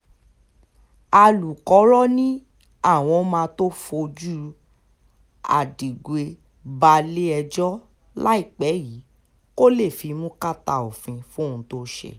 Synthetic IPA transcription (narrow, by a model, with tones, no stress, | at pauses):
a˧lu˨kɔ˨˦ɾɔ˦nĩ˦ | a˦˨w̃ɔ̃˧˦mãː˧˦to˦fo˧d͡ʒu˦ | a̰˨di˨ɡe˧ | ba˧le˦ɛ˧d͡ʒɔ˦ | la˦i˦˨k͡pɛ˨˦ji˨˦ | ko˦le˦˨fi˧mũ˦ka˦ta̰˧˨o˨fĩ˧fũ˦˨ũ˨˧˦to˧˦ʃɛ̰˨